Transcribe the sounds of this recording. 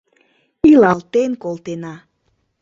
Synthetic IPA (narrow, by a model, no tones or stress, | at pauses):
ilɑlt̪enkolˠt̪enɑ